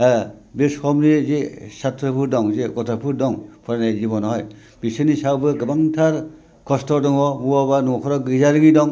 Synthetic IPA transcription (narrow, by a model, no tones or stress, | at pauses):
bishɔmnizesatʰɾɯpʰuɾdɔŋzeɡɔtʰapʰuɾdɔŋpʰɔɾanajzibɔnɔɦɔj | b̥isɯnisawbɯɡɯbaŋtʰaɾ | kʰɔstɔɾdɔŋɔmuwabanukʰɔɾɔɡɯzaɾɯŋidɔŋ